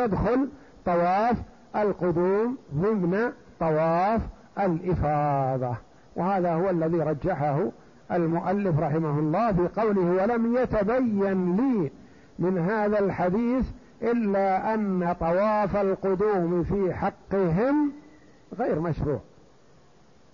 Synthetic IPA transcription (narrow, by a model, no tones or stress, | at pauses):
jad̪xʊl | t̪ˤɑwɑːf | ʔalqʊd̪uːmðˤɨmna | t̪ˤɑwɑːf | ʔalʔɪfɑːðˤɑ | wɪhaːðahʊwalːaðiɾˤɑd͡ʒːaħahʊ | ʔalmʊʔalːɪfɾˤɑħɪmahʊlˤːɑːfiːqɑwlɪhwalamjat̪abajːanliː | mɪnɦaːðalħad̪iːθ | ʔɪlːaʔanːat̪ˤɑwɑːfalqʊd̪uːmfiːħɑqːɪɦɪm | ɣejɾmaʃɾṵːʕ